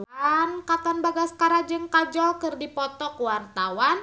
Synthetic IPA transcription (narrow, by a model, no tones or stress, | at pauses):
ankat̪anbaɡaskaɾad͡ʒɨŋkad͡ʒɔlkɨrdipɔt̪ɔkwart̪awan